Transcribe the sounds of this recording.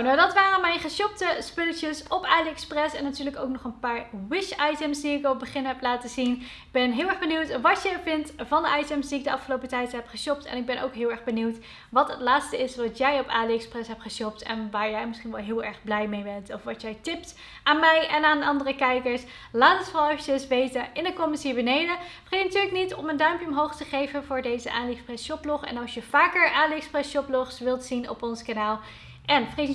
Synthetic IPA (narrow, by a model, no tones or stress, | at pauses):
nawdɑtʋaːrənmɛjnχəʃɔp̚təspɵlətəsɔpaːliɛksprɛsɛnːatyːɹləkowk̚nɔχənpaːɹwɪʃɑjtəmsdiɪkɑlˠət̚bəχɪnɦɛplaːtəzin | ɪɡ̚bɛnɦɪːlˠɛχbəniwtʋɑtjəvɪntvɑndəʔɑjtəmzdiɪɡ̚dəʔɑfχəlowpətɛjtɦɛpχəʃɔp̚tɛ̰nɪɡ̚bɛnʔo̰wkɦɪːlˠɛɹχbəniwt | ʋɑtɦətlaːtstəɪsʋɑtjɛjɔpa̰ːliɛksprɛsɦɛpχəʃɔptɛ̰nʋaːɹjɛjmɪsχinʋɛlˠɦɪːlˠɛɹχblɛjmejbɛntɔfʋɑtjɛjtɪp̚t | ʔaːnmɛjɛnaːnɑndərəkɛjkəɹs | laːtətʋɑlˠɛfəcəsʋejtəɪnəkɔməsɦiːɹbənejdəfəχejnatyːɹləknitɔməndœɥmpjəɔmɦowχtəχejvənvʊːɹdejzəʔaːliksprɛsʃɔplɔχɛ̰nɑlˠʃjəvaːkəɹʔaːliksprɛsʃɔplɔχsʋɪlˠtsinɔ̰pɔnskanaːlˠ | ʔɛnfəχej